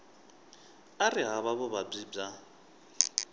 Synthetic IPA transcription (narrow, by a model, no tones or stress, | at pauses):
arɪɦaβaβʊβab͡ʐib͡ʐa